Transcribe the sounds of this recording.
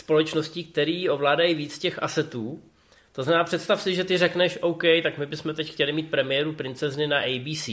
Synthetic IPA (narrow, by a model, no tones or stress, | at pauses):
spo̞lɛt͡ʃnosciːk̚t̪ɛɾiːo̞vlaːdajiviːt͡scɛxʔa̰sɛt̪uː | t̪oznamɛnaːpr̝̥ɛt̪st̪afsɪʒɛt̪ɪrɛknɛʃʔo̞wkɛjt̪akmɪbɪsmɛt̪ɛcxcɛlɪmiːt̪̚pɾɛmɪjɛːɾupɾɪnt͡sɛznɪnaʔɛjbiːsiː